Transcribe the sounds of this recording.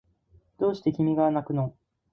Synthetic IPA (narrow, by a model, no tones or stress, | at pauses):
d̪̥o̞ːɕi̥t̪e̞kʲimʲiɡanakɯ̟no